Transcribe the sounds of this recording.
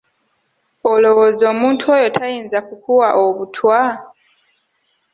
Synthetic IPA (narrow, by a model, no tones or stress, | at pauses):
olo̞woːzoːmuːntʰuojo̞tʰajiːnzakukʰuwaʔoβutʰwa